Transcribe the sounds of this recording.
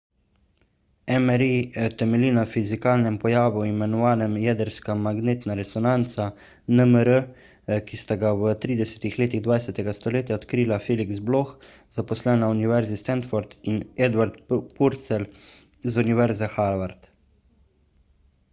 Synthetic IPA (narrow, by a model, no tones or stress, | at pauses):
ɛmɛɾiɛt̪ɛmɛliːnafizikaːlnɛmpɔjaːʋuimɛnɔʋaːnɛmjɛd̪əɾskamaɡneːt̪naɾɛsɔnant̪sa | nəməɾə | kist̪aɡawət̪ɾiːd̪ɛsɛt̪ixleːt̪iɣd̪ʋaːjsɛt̪ɛɡast̪ɔleːt̪jaɔt̪kɾiːlafeːliksblox | zapɔslɛːnauniʋɛɾzist̪ɛnt̪fɔɾd̪inɛd̪waɾt̪puɾt̪sɛl | zuniʋɛɾzɛxaɾʋaɾt̪